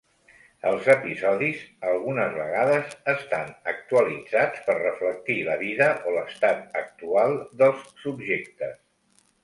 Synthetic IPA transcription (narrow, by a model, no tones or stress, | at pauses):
əlˠzəpizɔðizəlˠɣunəzβəɣaðəzəst̪anək̚t̪uəlid͡zat͡spərrəflək̚t̪iləβiðəʔoləst̪at̪̚ək̚t̪ualˠd̪əlˠsːubʒek̚t̪əs